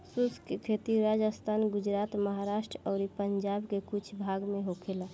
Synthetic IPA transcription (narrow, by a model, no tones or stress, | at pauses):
suskekʰet̪iɾad͡ʒəst̪ʰaːnɡud͡ʒɾat̪məɦaɾaʃʈɾɔːɾipəɲd͡ʒabkekut͡ʃʰbʱaɡmeɦokʰela